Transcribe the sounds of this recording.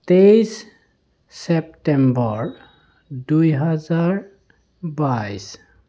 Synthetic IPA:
tejs | sep̚tembɔɹ | dujɦazaɹ | bajs

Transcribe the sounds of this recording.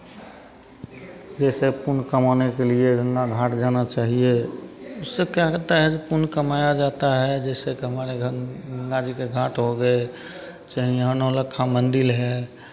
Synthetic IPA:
d͡ʒɛːsepʊnkəmanekelieɡə̃ŋɡaɡʱaːʈd͡ʒanat͡ʃaːɦieʊsːekjakt̪aɦɛd͡ʒepʊnkəmajad͡ʒaːt̪aɦɛd͡ʒɛːsekeɦəmaːɾeəŋɡad͡ʒikeɡʱaːʈɦoɡəe | t͡ʃaːɦĩɦənõləkʰːamənd̪ɪlɦɛ

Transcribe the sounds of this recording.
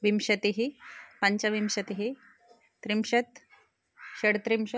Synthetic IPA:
ʋimɕət̪iɦipaɲt͡ɕaʋimɕɐt̪iɦi | t̪ɾimɕət̪ | ɕəɽt̪ɾimɕə

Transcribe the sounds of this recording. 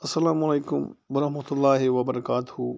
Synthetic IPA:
ɐsːɐlaːmɐleːkʊmbɐɾɐhmɐt̪ʊlːaːɦiʋɐbɐɾɐkaːt̪ʊhu

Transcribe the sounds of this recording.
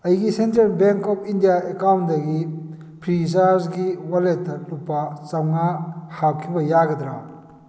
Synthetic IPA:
ɐjɡisentɾelbeŋkɔpʰindijaekawndɐɡi | pʰɾis̬aɾzɡiwaletːɐlupːat͡ʃawnahawkʰibɐjaɡɐdɾa

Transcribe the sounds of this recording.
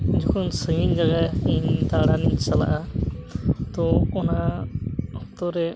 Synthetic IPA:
d͡ʒɔkʰɔnsəŋiɲd͡ʒaɡaint̪aɽaniɲsala̰ʔa | t̪ɔɔna | hɔɔt̪ɔɾɛ

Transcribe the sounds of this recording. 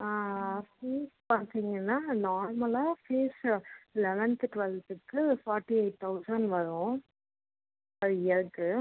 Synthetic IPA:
aːfiːspaɾt̪iːŋɡɐnːaːnaːɾmɐlaːfeːslɛʋɛnt̪ɯʈʋɛlt̪ɯkːɯfaːɾʈːieɪʈ̚t̪ʰːɐʊsɐɳɖʋɐɾʊ̃ | ɐðɯɪɐɾɯkːɯ

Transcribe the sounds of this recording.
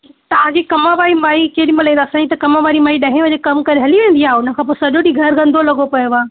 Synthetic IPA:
t̪ɐʋ̤ãd͡ʑikɐmaʋaːɾimaːikeːɗimɪlẽːd̪ːsãɲd͡ʑit̪ɐkɐmaʋaːɾimaːiɗɐɦẽʋɐ̃ɲekɐmkɐɾeɦɐliʋẽːnd̪iaːʊnə̆kʰãːpoːsɐʄoɗiɡʱɐɾɡɐ̃nd̪ʱolɐɡopɐjoʋaː

